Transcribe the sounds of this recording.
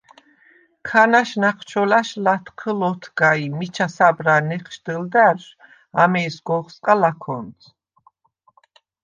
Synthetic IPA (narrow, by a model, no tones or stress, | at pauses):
kʰanaʃnaqʰt͡ʃʰɔlaʃlat̪ʰqʰəlɔt̪ʰɡaimit͡ʃʰasabɾanɛχʃd̪əld̪aɾʃ | amɛːsɡɔχsqʼalakʰɔnt̪ʰ